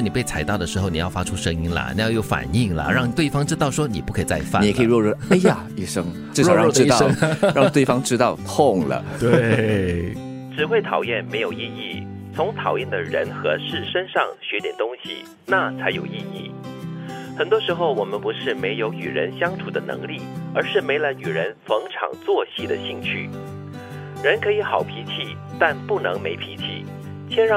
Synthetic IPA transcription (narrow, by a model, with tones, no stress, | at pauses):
ni˨˩pe˥˩ɪt͡sʰa˧˥ɪt̪ɑ˥˩ʊd̪ə˩ʂɻ̩˧˥xo˧˩ʊni˨˩jɑ˥˩ʊfa˥ʈ͡ʂʰu˥ʂɤ˥ŋi˥nlə̰˩nḭ˨˩jɑ˥˧ʊjo˥˩ʊfa̰˨˩ni˥˩ŋlə̰˨˩ɻɑ˥˧ŋt̪we˥˩ɪfɑ˥ŋʈ͡ʂɻ̩˥t̪ɑ˥˩ʊʂwɔ˥ni˨˩pu˥˩kʰɤ˧˥˨t͡sa˥˧ɪfa˥n˨kʰi˨˩ɻwɔ˥˧ɻɔ˥˩a˥˩ja˨˩i˥˩ʂɤ˥ŋ | ʈ͡ʂ̩˥˩˥ɔ˥˧˥ɔ˥˩ʈ͡ʂɻ̩˥ɑ˥ŋɻɑ˥˧t̪we˥ɪfɑ˥ŋʈ͡ʂɻ̩˥t̪ɑ˥˧ʊt̪ʰʊ˥˩ŋlə̰˩t̪we˥˩ | ʈ͡ʂɻ̩˨˩xwe˥˩ɪt̪ʰɑ˨˩ʊjɛ˥˩nme˧˥ɪjo˨˩ʊi˥˧i˥˩ | t͡sʰʊ˧˥ŋt̪ʰɑ˨˩ʊjɛ˥˩nd̪ə˩ɻə̰˧˥nxɤ̰˧˥ʂɻ̩˥˩ʂə˥nʂɑ˥˧ŋɕɥɛ˧˥t̪jɛ˨˩nt̪ʊ˥ŋɕḭ˨ | na˥˩t͡sʰa˧˥ɪjo˨˩ʊi˥˧ḭ˥˩ | xə˨˩nt̪wɔ˥ʂɻ̩˧˥xo˥˧ʊwɔ˨˩mə˦npu˧˥ʂɻ̩˥˩me˧˥ɪjo˧˥ʊny̰˨˩ɻə̰˧˥nɕjɑ˥ŋʈ͡ʂʰu˨˩d̪ə˦nɤ̰˧˥ŋli˥˩ə̰˞˧˥ʂɻ̩˥˩me˧˥ɪla˧˥ɪny˨˩ɻə˧˥nfɤ˧˥ŋʈ͡ʂʰɑ̰˨˩ŋt͡swɔ˥˧ɕi˥˩d̪ə̰˩ɕi˥˧ŋt͡ɕʰy̰˥˩ | ɻə˧˥nkʰɤ˧˥i˧˥xɑ˨˩ʊpʰi˧˥t͡ɕʰi˥˩ | t̪a˥˧npu˥˩nɤ̰˧˥ŋme˧˥ɪpʰi˧˥t͡ɕʰḭ˥˩ | t͡ɕʰjɛ˥nɻɑ˥˧˩